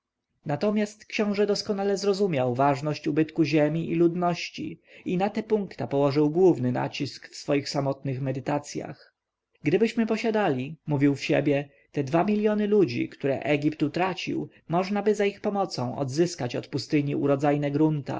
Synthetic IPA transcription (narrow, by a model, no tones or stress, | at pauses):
nat̪ɔmʲjast̪kɕɔ̃w̃ʐɛd̪ɔskɔnalɛzɾɔzumʲjawvaʐnɔɕt͡ɕubɘt̪kuʑemʲiʔilud̪nɔɕt͡ɕḭinat̪ɛpuŋkt̪apɔwɔʐɘwɡwuvnɘna̰t͡ɕiskfsfɔjixsamɔt̪nɘxmɛd̪ɘt̪at̪sʲja̰x | ɡd̪ɘbɘɕmɘpɔɕad̪alʲimuvʲiwfɕḛbʲjɛ | t̪ɛd̪vamʲilʲjɔnɘlud͡ʑḭkt̪uɾɛ̰ʔɛɡʲipt̪ut̪ɾat͡ɕḭw | mɔʐnabɘzaixpɔmɔt̪sɔ̃w̃ʔɔ̰d̪zɘskat͡ɕɔt̪pust̪ɘɲiuɾɔd̪zajnɛɡɾunt̪a̰